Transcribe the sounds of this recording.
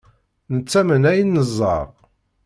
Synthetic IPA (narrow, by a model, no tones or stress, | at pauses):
nət͡sːæmənæjənːəzˤːɑ̰ʁ